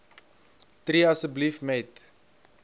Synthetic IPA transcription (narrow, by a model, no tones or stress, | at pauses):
triɐsəblifmɛt